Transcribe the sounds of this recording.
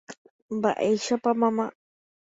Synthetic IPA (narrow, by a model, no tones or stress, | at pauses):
ba̰ʔejʃapamãma